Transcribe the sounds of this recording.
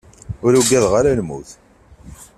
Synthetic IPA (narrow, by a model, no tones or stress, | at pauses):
ʊɾuɡæðʁaɾalmṵθ